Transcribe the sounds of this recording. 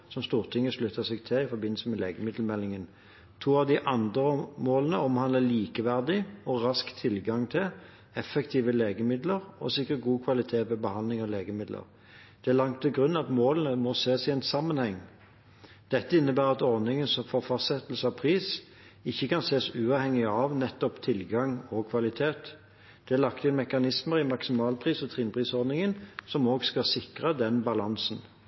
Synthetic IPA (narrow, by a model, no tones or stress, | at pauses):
sɔmst̪uːʁt̪ʰɪŋːəʂlʉt̪ːəsɛɡt̪ʰɛɪfɔbɪnl̩səmɛleːɡəmɪd̪l̩mɛlːɪŋən | t̪ʰuːɑʋd̪ɪʔɑnd̪ʁəmoːlənəɔmhɑnd̪ləliːkəʋæʁd̪ɪɔʁɑskt̪ʰɪlɡɑŋt̪ʰɪl | ɛfəkt̪ʰiːʋəleːɡəmɪd̪ləʁɔ̰sɪkːət̪̚ɡuːkʰʋɑlɪt̪ʰeːʋɛbəhɑnlɪŋɑleːɡəmɪd̪lə̰ʁ | d̪̥ɛæʁlɑŋt̪ʰːɪɡʁʉnːɑt̪moːlənəmɔseːsɪɛnsɑmːənhɛŋː | d̪̥ɛt̪ːəɪnːəbæːʁɑt̪ɔʁnɪŋənsɔmfoʁfɑst̪sɛt̪l̩səɑpʰʁiːs | ɪçːəkɑnseːsʉːɑːʋhɛŋːɪɑʋnɛt̪ːɔpt̪ʰɪlɡɑŋɔkʰʋɑlɪt̪ʰeːt̪ | d̪̥ɛælɑkt̪ɪnmɛkɑnɪsməʁɪmɑksɪmɑːlpʰʁiːsɔt̪ʰʁinpʰʁiːsɔʁdnɪŋənsɔmoːɡskɑsɪkʁəd̪ɛnbɑlɑnsn